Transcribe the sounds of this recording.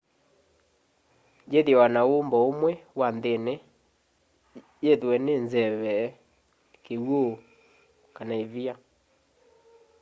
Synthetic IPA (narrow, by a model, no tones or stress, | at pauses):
d͡ʒeðjɛwanaombɔomwɛwanðene | jeðwɛnenzɛβɛ | kewo | kanaevia